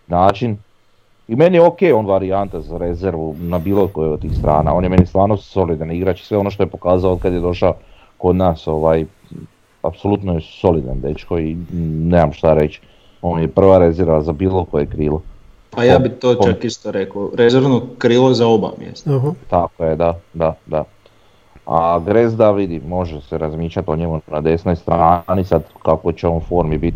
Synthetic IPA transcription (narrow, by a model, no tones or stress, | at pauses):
naːt͡ʃin | ime̞nijeokeːjonʋaɾiant̪azaɾe̞zeɾʋunabiːlˠokojeot̪ːiːxst̪ɾʔa̰ːna̰o̞ːnjeme̞nist̪ʋaːɾnosso̞lid̪aniɡɾaːt͡ʃi̥sʋe̞o̞noʃ̬t̪o̞jepo̞kaːzaood̪̚kad̪jed̪o̞ʃao | ko̞d̪naːso̞ʋaːj | a̰psolˠut̪nojeso̞lid̪a̰nd̪et͡ʃkoinezamʃt̪aɾet͡ʃi̥ | oːnjepr̩ʋaɾe̞zeɾʋazabiːlokojekɾiːlo | pajaːbit̪oːt͡ʃt͡ʃakist̪oɾekoɾezeɾʋnokɾiːlˠozaoba̰mjḛst̪at̪akojed̪ad̪ad̪a | a̰ɡɾezd̪aʋid̪imo̞ʒeseɾazmiːʃʎat̪o̞ɲemunad̪e̞snojst̪ɾaːnisad̪kakot͡ɕeoːnfoːɾmibit̪